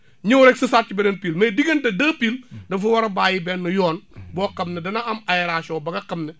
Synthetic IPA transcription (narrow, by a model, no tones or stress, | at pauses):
ɲiwɾɛksɐsaːt̚t͡ʃibɛnɐnpiːlmɐdiɡɐndɐdɐːpiːldɐfuwɐɾɐbaːjibɛnːɐjɔːnbɔːkɐmnɛdɐnɐʔɐmɐjɾaːʃɔːbɐɡɐkɐmnɛ